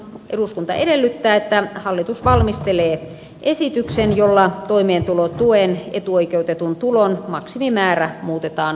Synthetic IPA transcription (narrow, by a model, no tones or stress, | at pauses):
ʔeduskunt̪ɑ̰ʔedelːyt̪ːæːet̪ːæhɑlːit̪usʋɑlmist̪eleː | ʔesit̪yksenjolːɑt̪oimeːnt̪ulot̪ueːnḛt̪uoikeut̪et̪unt̪ulonmɑksimimæːræmuːt̪et̪ɑːn